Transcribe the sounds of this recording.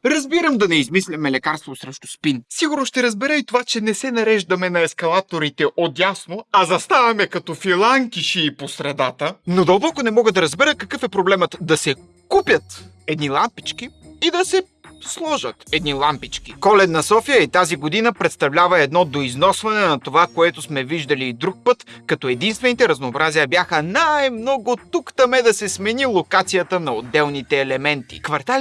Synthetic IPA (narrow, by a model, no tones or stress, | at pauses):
ɾɐzbiɾəmd̪ɐnɛizmislʲɐmɛlɛkaɾst̪vosɾɛʃt̪o̥spinsiɡʊɾnoʃt̪ɛɾɐzbɛɾəit̪ovat͡ʃɛnɛsɛnɐɾɛʒd̪ɐmɛnɐɛskɐlˠat̪oɾit̪ɛʔot̪jasnoɐzɐst̪avɐmɛkɐt̪ɔfilˠaŋkiʃiːposɾɛd̪at̪ənod̪ɐlˠbɔkonɛmɔɡəd̪ɐɾɐzbɛɾəkɐkɤfɛpɾoblɛmət̪d̪ɐsɛ | kupʲjət̪ | ɛd̪nilˠampit͡ʃkiid̪ɐsɛ | slˠɔʒət̪ɛd̪nilˠampit͡ʃkikɔlɛnɐsɔfijəit̪aziɡod̪inəpɾɛt̪st̪ɐvlʲavɐɛd̪nɔd̪oiznɔsvɐnɛnɐt̪ovakoɛt̪ʊsmɛviʒd̪ɐliːd̪ɾuk̚pɤt̪kɐt̪ɔɛd̪inst̪vɛnit̪ɛɾɐznoːbɾazijəbjaxənajmnɔɡʊt̪ukt̪ɐmɛd̪ɐsɛsmɛnilˠokat̪sijət̪ənɐod̪ːɛlˠnit̪ɛːlɛmɛnt̪ḭkvɐɾt̪al